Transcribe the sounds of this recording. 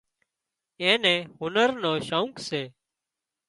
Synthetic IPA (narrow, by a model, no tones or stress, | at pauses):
ẽːnẽːɦʊnəɾnoːʃaũːŋkseː